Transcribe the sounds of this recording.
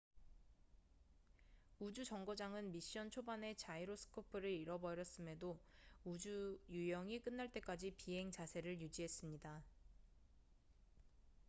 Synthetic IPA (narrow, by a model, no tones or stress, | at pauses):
ud͡ʑud͡ʑʌŋɡod͡ʑaŋɯnmiɕ͈ʌnt͡ɕʰobane̞t͡ɕaiɾosʰɯ̥kʰopʰɯɾɯɾiɾʌbʌɾjʌs͈ɯme̞doud͡ʑujujʌŋik͈ɯnːaɭt͈e̞k͈ad͡ʑipiɦe̞ŋt͡ɕasʰe̞ɾɯɭjud͡ʑiɦe̞s͈ɯmɲida